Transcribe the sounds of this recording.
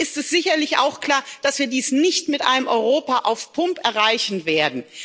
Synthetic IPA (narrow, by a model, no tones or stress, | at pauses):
ʔɪstɛsz̥ɪçɐlɪçʔa̰ʊxkl̥aːɐd̥asv̥iːɐdiːsnɪçtmɪtʔa̰ɪnəmʔɔʏʁoːpaʔaʊfpʰʊmpʔɛɐʁaɪçn̩veːɐdn̩